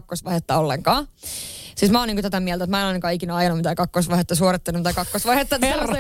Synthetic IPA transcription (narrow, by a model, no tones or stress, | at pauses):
kːosʋɑihet̪ːɑolːeŋkɑː | siːsmæoːniŋkot̪æt̪æmiɛlt̪æt̪mæenɑinɑkɑːikinæɑjɑnumit̪æːkɑkːosʋɑhet̪ːɑsuoɾit̪ːenːumt̪ɑkɑkːosʋɑihet̪ːɑt̪æ